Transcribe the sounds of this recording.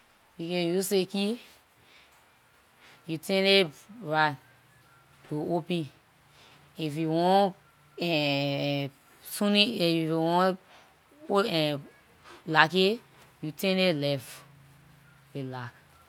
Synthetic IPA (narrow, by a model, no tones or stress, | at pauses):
bikɛjuseki | jutɛ̃neɹan | juopɛ̃n | ifjuwɔ̃n | ɛ | sũniiifjuwɔ̃n | ɛ̃ | lake | jutɛ̃nelɛf | welak